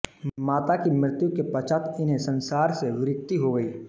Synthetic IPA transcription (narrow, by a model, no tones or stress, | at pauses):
maːt̪akimɾɪt̪jukepɐt͡ʃat̪ɪnɦẽsɐ̃nsaːɾseʋɪɾɪkt̪iɦoɡəiː